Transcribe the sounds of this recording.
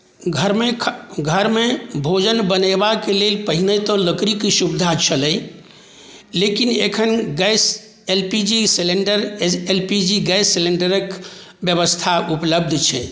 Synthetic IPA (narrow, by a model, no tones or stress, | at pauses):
ɡʱəɾmeɡʱəɾmebʱod͡ʒənbənəɪbakelelpəɦinət̪ɔ̃ləkɾikisubd̪ʱat͡ʃʰələ | lekinḛkʰənɡɛs | elpid͡ʒiseleɳɖəɾelpid͡ʒiɡɛjsːeleɳɖəɾəkbjəβəst̪ʰaʔupləb̚d̪ʱt͡ʃʰɛ̰